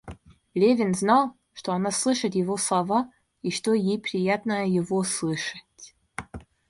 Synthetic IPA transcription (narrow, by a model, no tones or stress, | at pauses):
lʲevʲɪnznɑlˠ | ʂt̪oɐnaslˠɨʂɨt̪jɪvoslˠɐva | iʂt̪ojejpɾʲɪjat̪nəjɪvoslˠɨʂə̥tʲ